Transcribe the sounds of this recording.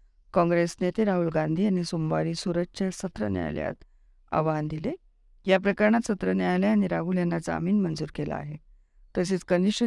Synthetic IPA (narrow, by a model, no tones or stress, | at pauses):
kɔ̃ŋɡɾesnet̪ʰeɾaɦulɡãnd̪ʱiːañisumʋaɾiːsuɾəɕesət̪ɾə̰nja̰jlja̰t̪ | a̰ʋand̪ile | japɾəkaɾɳat̪sət̪ɾənjajljaañiɾaɦuːljanːad͡za̰miːnmənd͡zuːɾkela̰a̰ɦe | t̪əs̬iːt͡skəniʂə